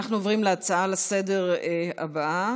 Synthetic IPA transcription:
aχnuovʁimleat͡saalasede̞ʁa̰baʔa

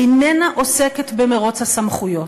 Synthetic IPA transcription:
inenaʔo̞seketbemeʁo̞t͡shasamχujo̞

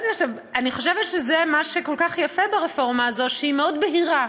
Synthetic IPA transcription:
niaχʃav | aniχo̞ʃevet̪ʃezemaʃeko̞lkaχjafebaʁefo̞ʁmaːzo̞tʃeimeo̞d̪beɦiʁa

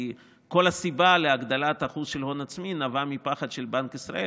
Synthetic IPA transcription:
ko̞lasibaleaɡd̪alat̪aχuzʃelɦonat͡sminavamipaχad̪ʃelbankisʁa̰ʔe

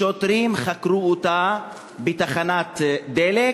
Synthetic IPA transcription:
ot̪ɾimχakɾuot̪a | bet̪aχanat̪d̪ele

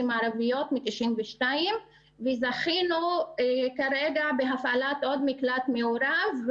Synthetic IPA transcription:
imaʕɾavijot̪mit̪iʃʔimveʃtaim | vezaχinu | kaɾeɡabeɦafʔalat̪ʔod̪miklat̪meuɾav

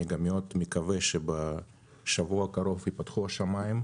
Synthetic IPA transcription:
eɡamijo̞t̪mikaveʃeba | ʃavuakaɾo̞vipat̪χuaʃamaim

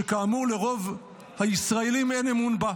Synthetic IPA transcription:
ekaːmuʁle̞ʁo̞v | haisʁaelime̞nemunba

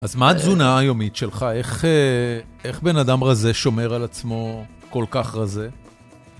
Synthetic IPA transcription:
ʔazmaːzunaːjo̞mitʃe̞lχae̞χee̞χbe̞nad̪amʁaze̞ʃo̞me̞ʁalat͡smo̞ | ko̞lkaχʁaze̞

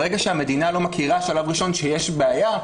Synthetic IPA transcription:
ʁeɡaʃeame̞d̪inalo̞makʰiʁaʃalavʁiʃo̞nʃejeʃbeaja

